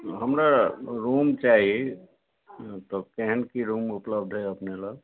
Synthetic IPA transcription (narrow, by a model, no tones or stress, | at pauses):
ɦəmɾaɾumt͡ʃaɦi | t̪ɔkeɦənkiɾumupləb̚d̪ʱɦɛəpneləɡ